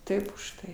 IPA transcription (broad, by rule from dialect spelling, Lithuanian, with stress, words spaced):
ˈtɐɪp ʊʃˈtɐɪ